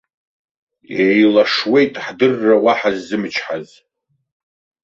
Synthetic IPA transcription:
ejlaʂwe̞jtʼħdɨrːawaħazːɨmɨt͡ʃʰħaz

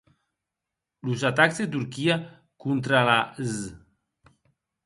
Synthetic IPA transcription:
luzat̪akzðet̪̬uɾkia | kunt̪ɾalaz

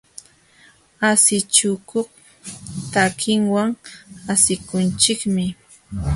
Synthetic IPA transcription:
asɪt͡ʃʊkoχ | t̪akʰɪŋwaŋasɪkʊnt͡ʃɪkmɪ

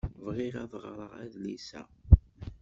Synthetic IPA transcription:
vʁɪɾæðˤʁɾˤəʁæ̰ðlisæ̰

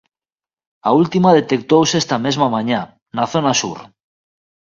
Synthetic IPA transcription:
ault̪imað̞et̪ek̚t̪owsest̪amezmamãɲa | naθonasṵɾ

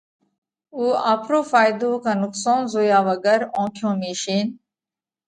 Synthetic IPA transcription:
uːaːpʰɾoːfaːjd̪oːkanʊksoːnzoːjaːʋɐɡəɾõːkʰjõːmiːʃiːn

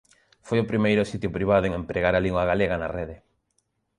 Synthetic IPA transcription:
fojʊpɾimejɾʊsit̪jʊpɾiβ̞aðʊeŋempɾeɣaɾaliŋɡwaɣaleɣanareðe

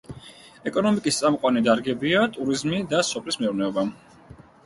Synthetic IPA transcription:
ɛkʼɔnɔmikʼist̪sʼamqʼwanid̪aɾɡɛbiat̪ʼuɾizmid̪asɔpʰlismɛuɾnɛɔba

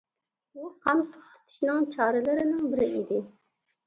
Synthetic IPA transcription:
uqʰɑmt̪ʰʊ̥χʊ̥t̪ʰɪ̥ʃnɨŋt͡ʃʰɑːɾɨlˠɨɾɪnɪŋbɪɾɪid̪ɪ

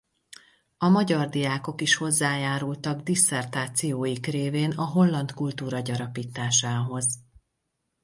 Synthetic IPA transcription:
ɒmɒɟɒrd̪ijaːko̞kiʃho̞zːaːjaːɾult̪ɒɡd̪isɛrt̪aːt̪sijoːjikreːveːnɒɦo̞lːɒnt̪kult̪uːɾɒɟɒɾɒpiːt̪aːʃaːɦo̞z

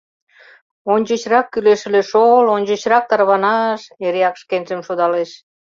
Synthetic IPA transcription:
onʲd͡ʑə̆t͡ɕrɑkːyleʃəleʃolonʲd͡ʑə̆t͡ɕrɑk̚t̪ɑrβɑnɑʃeɾeɑkʃkenʲzə̆mʃod̪ɑleʃ

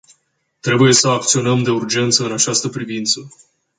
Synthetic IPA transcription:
t̪ɾe̞buje̞səakt̪sio̞nəmd̪e̞urd͡ʒe̞nt̪səɨnat͡ʃast̪əpɾivint̪sə

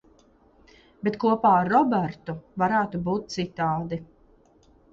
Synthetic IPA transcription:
bet̪kuɔpaːaɾːɔbɛɾt̪uvaɾæːt̪ubuːt̪̚t̪sit̪aːd̪i

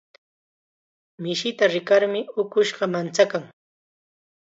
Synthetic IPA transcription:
mɪʃɪt̪aɾɪkaɾmɪʊkʊʃɢɑmant͡sakaŋ

